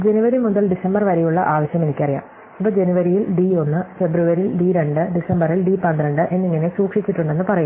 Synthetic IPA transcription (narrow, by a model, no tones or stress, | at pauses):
d͡ʑe̞nuʋɐɾimuðɐlɖisɐmbɐrʋɐɾejuɭːɐʔaːʋɐɕjɐme̞nikʲːɐrija̰ːm | ipːoːd͡ʑe̞nuʋɐɾijilɖio̞nːɨfe̞bruʋɐɾilɖiɾe̞ɳɖɨɖisɐmbɐrilɖipɐnd̪rɐɳɖɨʔe̞nːiŋːɐne̞suːkʂit͡ɕʲːiʈːuɳɖe̞nːɨpɐrɐjun